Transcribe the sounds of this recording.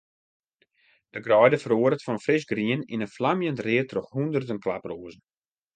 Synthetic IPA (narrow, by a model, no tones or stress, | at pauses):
d̥əɡrɔjdəfəɾoəɾətfɔnfrɪsɡriənḭnənflamjəntrɪətrɔxhundərdənklaproːəzən̩